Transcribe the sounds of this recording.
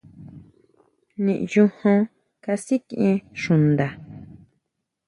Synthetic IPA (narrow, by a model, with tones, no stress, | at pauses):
nĩ˨ʔjũ˧hõ˧ | ka˧si˦kʔĩ˧ʃũ˨nd̪a˨